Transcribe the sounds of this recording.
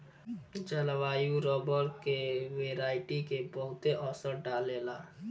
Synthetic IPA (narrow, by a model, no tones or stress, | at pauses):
d͡ʒəlʋaːjuɾɔːbəɾkeʋeːɾaːɪʈikebəɦʊt̪eʔɔːsəɾɖaːleːlaː